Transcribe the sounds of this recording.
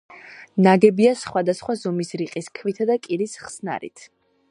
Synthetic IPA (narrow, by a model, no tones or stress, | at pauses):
naɡɛbiasχwad̪asχwazɔmisɾiqʼiskʰvit̪ʰad̪akʼiɾisχsna̰ɾḭt̪ʰ